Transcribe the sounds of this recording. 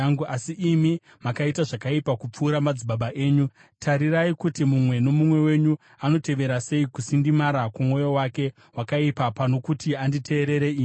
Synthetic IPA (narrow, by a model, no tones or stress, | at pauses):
ɡuasiʔimi | makaitaʐakaipakup͡fuːɾamad͡zibaɓaʔe̞ːɲu | tʰaɾiɾaikutimumwe̞no̞mumwe̞we̞ɲu | ano̞te̞ʋe̞ɾase̞ikusindimaɾakumwo̞jo̞wake̞ | wakaipapano̞kutianditʰe̞ːɾe̞ɾeiːɲ